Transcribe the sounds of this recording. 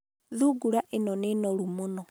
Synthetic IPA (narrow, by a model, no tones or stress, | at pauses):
ðuɡuɾaʔenɔnenɔɾumonɔ